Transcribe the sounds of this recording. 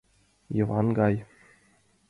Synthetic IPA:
jɤvɑnɡɑj

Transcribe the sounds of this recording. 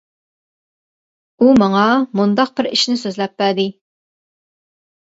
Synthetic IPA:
umɑŋɑmund̪ɑq̚bɪɾḭʃnɪsøzlɛpːæd̪ɪ

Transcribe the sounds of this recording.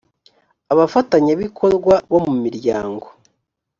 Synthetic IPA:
aβafataɲaβikʰo̞ɾɡwaβo̞mumiɾjaːŋɡo

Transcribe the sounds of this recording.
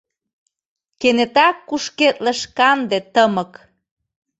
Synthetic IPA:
kenet̪ɑkːuʃket̪ləʃkɑnd̪et̪əmɤk

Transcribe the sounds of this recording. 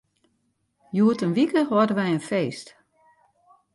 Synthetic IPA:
juətənʋikəʋɔdəʋɛjənfeːst

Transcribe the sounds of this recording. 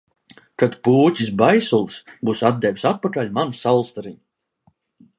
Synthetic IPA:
kat̪puːcʲis̬bajsulˠsbuːsad̪̚d̪ɛwʲisat̪̚pakalʲmansawlˠst̪aɾiɲ

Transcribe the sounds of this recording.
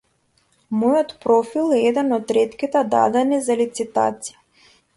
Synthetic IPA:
mɔjɔt̪pɾɔfilˠɛɛd̪ɛnɔt̪ɾɛt̪kʲit̪ɛd̪a̰d̪ɛnizalit̪sit̪a̰t̪si̥ja

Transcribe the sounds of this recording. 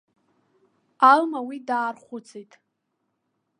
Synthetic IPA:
almawidaːrχʷʊt͡sʰejtʼ

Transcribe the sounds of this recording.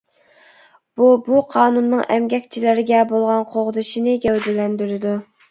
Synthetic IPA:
b̥ubuqʰɑːnunːɨŋʔɛ̰mɡʲɛkʲt͡ʃʰilɪɾɪɡʲɛbolˠʁɑnqʰoʁʊd̪ɨʃinɪɡʲɛwd̪ɪlɛnd̪yɾɪd̪u

